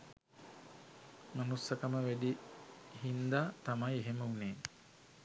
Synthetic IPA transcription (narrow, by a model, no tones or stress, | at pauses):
manusːəkaməʋæd̪ihind̪aːt̪amajeɦeməuneː